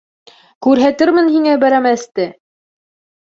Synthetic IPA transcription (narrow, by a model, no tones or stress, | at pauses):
kʉɾɦæt̪ɘɾmɘnhiŋæbæɾæmæst̪ɘ